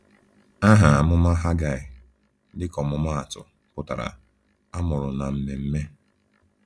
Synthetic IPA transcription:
a˦ɦa˨a˨mʊ˦ma˦ɦa˦ɡa˦˨ɪ˨ | dɪ˦kɔ˨mʊ˨ma˦a˨tʊ̰˨ | kʊ˦˨ta˨ɾa̰˨ | a˦mʊ˨ɾʊ˨na˨m̩˦me˨m̩˦me˦

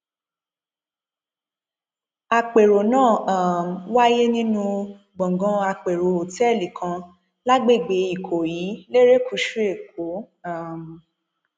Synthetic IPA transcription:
a˧k͡pe˨ɾo˨nãː˦˨ã˨m̩˨wa˦je˦nĩ˦nũ˦ | ɡ͡bɔ̃˨ɡɔ̃˧a˧k͡pe˨ɾo˨o˨tɛ˦˨li˨kʰã˧ | la˦ɡ͡be˦˨ɡ͡be˨˦i˦˨kʰo˨ji˨˦le˦ɾe˦ku˨˧ʃu˦e˦˨k̚o˨˦ | a˦˨m˨

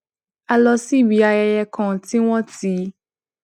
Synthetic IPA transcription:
a˧lɔ˧si˦˨bi˨˦a˧jɛ˧jɛ˧kʰɔ̃˨ti˦w̃ɔ̃˦ti˨˦

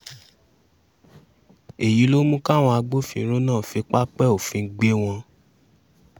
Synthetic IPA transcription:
e˨ji˨˦lo˦mũ˦ka˦˨w̃ɔ̃˧a˧ɡ͡bo˦fḭ̃˧˦ɾ̃ũ˦nãː˦˨fi˧˦k͡pa˦k͡pɛ˦˨o˨fĩ˧˦ɡ͡be˦w̃ɔ̃˧

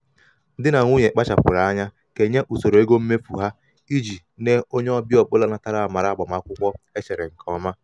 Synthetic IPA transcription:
dɪ˦na˨ŋʷ˦u˦ɲe˨k͡pa˦t͡ʃa˨pʊ̰˨ɾa˨a˦ɲa˦ | ke˨ɲe˦ʔu˨so˨ɾo˨e˦ɡo˦m̩˦me˦fṵ˨ɦa˦ | i˦d͡ʒi˨ | ne˦o˦ɲe˦ɔ˦bi˦ɔ˨k͡pʊ˦la˦na˦ta˦ɾa˨a˨ma˨ɾa˨ɡ͡ba˨ma˨˦kʷʊ˦kʷɔ˦e˦t͡ʃe˨ɾe˨ŋ̩˨kʰɔ˦˨˦ma˦

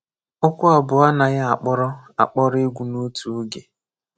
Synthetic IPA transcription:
ʊ˦kʷʊ˦ɔ˨bʊ˨a˦na˨ɣa˦a˨k͡pɔ˦ɾɔ˦a̰˨k͡pɔ˦ɾɔ˦ɪ˦ɡʷu˨no˦tu˨˦ɡe˨

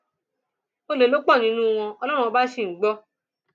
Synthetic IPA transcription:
o˧le˨lo˦k͡pɔ˦˨nĩ˨˦nũ˦˧w̃ɔ̃˧ɔ˧lɔ˦ɾũ˦˧ɔ˧˦ba˦ʃi˦˨ɡ͡bɔ˦

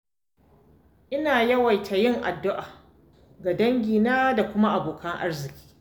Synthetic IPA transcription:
ʔɪ˦naː˨jɐ˦wɐ˨jtʰa˨jɪ˦ŋʔa̰˨dːʊ˦ʔaː˨ | ɡa˨dɐ˦ŋɡʲiː˨naː˦da˨kʷʊ˦ma˦ʔa˨boː˨kʰɐ˦ŋʔa̰˦rzɪ˨kʲi̥ː˦

